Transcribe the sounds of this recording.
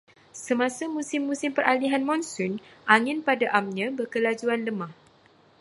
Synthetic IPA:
səmãsamũsɪmːũsɪmpərʔaliɦanmɔ̃nsʊnʔaŋɪnpadaʔamɲãbərkəlad͡ʒuanləmãh

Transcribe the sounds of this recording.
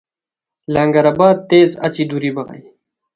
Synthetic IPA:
laŋɡɐɾabaːd̪̚t̪eːzɐ̰t͡ɕid̪uɾibɐʁɐ̰j

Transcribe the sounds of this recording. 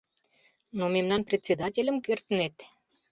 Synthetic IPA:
nomemnɑnprʲet̪ʲt͡sʲːed̪ɑtʲelʲəmkert̪ənet̪

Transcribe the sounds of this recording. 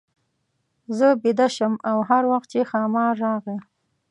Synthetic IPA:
zəbɪd̪aʃəmawɦaɾwaxt̪̚t͡ʃexɑmɑɾːɑɣə

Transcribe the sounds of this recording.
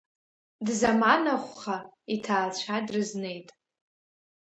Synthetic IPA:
dzamanaχʷχaitʰaːlt͡ɕʷʰadrɨzne̞jtʼ

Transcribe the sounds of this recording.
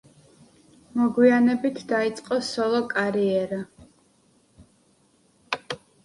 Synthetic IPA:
mɔɡwianɛbit̪ʰd̪ait̪sʼqʼɔsɔlˠɔkʼaɾiɛɾa

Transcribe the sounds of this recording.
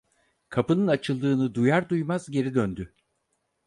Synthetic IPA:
kʰapɯnɯnat͡ʃʰɯlˠd̪ɯːnɯd̪ujaɾd̪ujmazɟe̞ɾid̪ønd̪y

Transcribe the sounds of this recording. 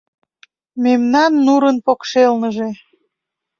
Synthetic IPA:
memnɑnːuɾənpokʃelnəʒe

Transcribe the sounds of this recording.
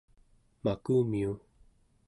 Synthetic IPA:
makumiu

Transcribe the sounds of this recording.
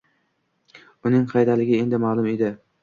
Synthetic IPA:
ʊnɪŋqʰɑjd̪alɪɡʲɪe̞nd̪ɪmalˠʊmed̪ɪ

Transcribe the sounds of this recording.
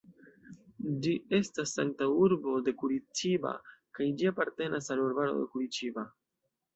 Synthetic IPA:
d͡ʒie̞stasːa̰ŋk̚tauɾbo̞de̞kuɾit͡ʃiba̰kajd͡ʒiapaɾte̞nasaluɾbaɾo̞̰de̞̰kuɾit͡ʃiba

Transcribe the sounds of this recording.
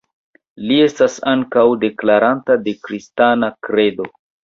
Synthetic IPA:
lie̞stasaŋkawde̞klaɾantade̞kɾistanakɾe̞do̞

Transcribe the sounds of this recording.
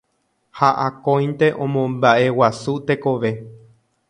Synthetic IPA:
haʔakõj̃nt̪e̞ʔõ̞mõmbaʔe̞wasut̪e̞ko̞ʋe̞

